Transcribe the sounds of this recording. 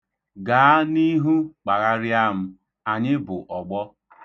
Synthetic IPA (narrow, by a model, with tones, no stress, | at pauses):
ɡaː˨˦ni˦ɦu˦k͡pa˨ɣa˦ɾja˦m̩˦ | a˨ɲɪ˦bʊ˨ʔɔ˨ɡ͡bɔ˦